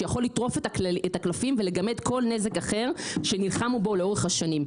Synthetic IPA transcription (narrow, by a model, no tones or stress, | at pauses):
jaχo̞lːit̪ʁo̞ftaetaklafimve̞le̞ɡame̞d̪ko̞lne̞ze̞kaχeʁʃenilχamubo̞leo̞ʁeχhaʃanim